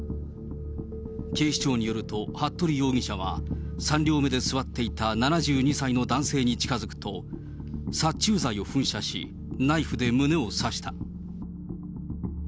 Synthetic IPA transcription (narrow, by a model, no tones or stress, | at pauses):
ke̞ːɕi̥t͡ɕo̞ːɲ̟ijo̞ɾɯ̟t̪o̞hat̪ːo̞ɾʲijo̞ːɡʲiɕaβ̞a̰sãnɾʲo̞ːme̞d̪e̞sɨβat̪ːe̞it̪ananaʑɨːɲ̟isaino̞d̪ãɰ̃se̞ːɲ̟it͡ɕi̥kazɨkɯ̟̥t̪o̞ | sat͡ɕɨːzaio̞ɸɯ̟̃ɰ̃ɕaɕḭ | naiɸɯ̟d̪e̞mɯ̟ne̞osaɕi̥t̪a